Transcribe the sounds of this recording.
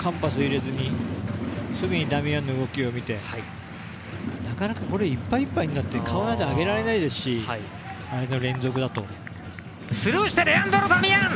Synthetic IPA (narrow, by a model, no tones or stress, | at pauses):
kʰãmpasɨiɾezɨɲ̟i | sɨɡɯ̟ɲ̟id̪amʲiãnːo̞ɯɡo̞kʲio̞mʲit̪e̞a | nakanakako̞ɾe̞ipːaipːaiɲinat̪ːe̞kʰaonad̪eaɡe̞ɾaɾe̞naid̪e̞sɨ̥ɕi | aɾeno̞ɾẽ̞nzo̞k̬ɯ̟d̪at̪o̞̰ | sɨɾɯːɕi̥t̪eɾeãnd̪oɾod̪amʲiãn